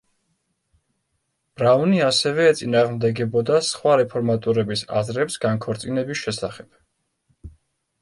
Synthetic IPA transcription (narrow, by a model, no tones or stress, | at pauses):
b̥ɾavniasɛvɛːt̪sʼinaːʁmd̪ɛɡɛbɔd̪asχwaɾɛpʰɔɾmat̪ʼuɾɛbisa̰zɾɛpsɡaŋkʰɔɾt̪sʼinɛbisʃɛsaχɛb̥̚